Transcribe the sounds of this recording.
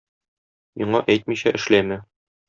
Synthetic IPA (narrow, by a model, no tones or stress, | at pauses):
miɴɑʔæjt̪̚miɕæʔɘ̆ʃlæmæ